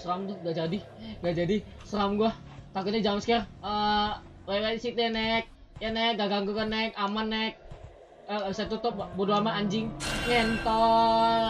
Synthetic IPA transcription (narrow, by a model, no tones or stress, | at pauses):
sɾamt̪ʊɡad͡ʒadiŋɡad͡ʒadi | səramɡua | k̪akuɲad͡ʒamskɛrə | lalatisit̪anɛk̚ | janɛk̚ɡaɡaŋɡukanːɛkamanːɛk̚ | əabisat̪ut̪ʊp̚bodoamaːɲd͡ʒɪŋŋɛnt̪ɔ